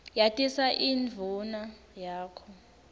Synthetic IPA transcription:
jatʼisaʔiːnvʱuna | jaːkʰɔ

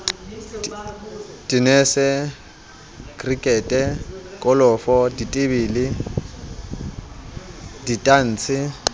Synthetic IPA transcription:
tʼinɛsɛ | kʼrikʼɛːtʼɛkʼɔlɔfɔditʼɪbiːlɪ | ditʼan̩ːt͡sʰɪ

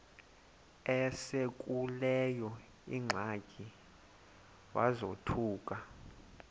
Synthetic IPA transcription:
ɛsek̬ʼulɛjɔ | ḭŋ͡ǁʱakʼi | wazotʰuːk̬ʼa

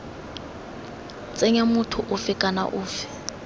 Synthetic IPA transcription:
t͡sʼeɲamʊtʰʊʔʊfɪkʼana̰ʔʊːfɪ̥

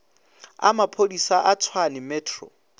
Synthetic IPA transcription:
a̰mapʰodisaʔat͡sʰwanɪmɛːtʰrɔ̰

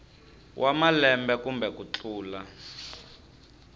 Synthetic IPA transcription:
wʔamalɛmbɛkumbɛkut͡ɬuːla

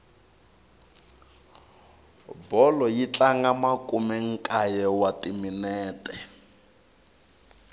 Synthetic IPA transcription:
bɔlɔjit͡ɬaŋɡamakʼumɛŋ̩kʼajɛwatiminɛːtɛ

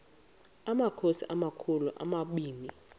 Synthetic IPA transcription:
amakʰosḭʔamakʰuluʔa̰maɓiːni

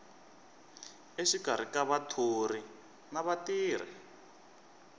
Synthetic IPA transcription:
eʃiɡ̥ʱaɾ̤ikaβatʰori | naβatiːɾ̤ḭ

